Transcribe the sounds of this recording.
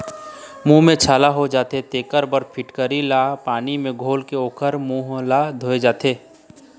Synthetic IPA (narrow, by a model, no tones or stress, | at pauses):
mũːɦmẽt͡ʃʰaːlaɦod͡ʒaːt̪et̪eːkəɾbəɾpʰɪʈkəɾilaːpaːnimẽɡʱoːlkeoːkəɾmũːɦlad̪ʱoːed͡ʒaːt̪eː